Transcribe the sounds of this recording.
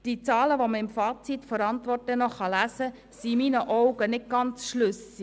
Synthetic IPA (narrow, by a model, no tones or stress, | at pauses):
d̥it͡sɑːləʋoməɪmfɑːt͡sitfɔɾɑntʋɔrtlənɔχɑlæsə | simiːnəʔɔwɡənɪt̚ɡ̥ɑnt͡sʃlʏs | i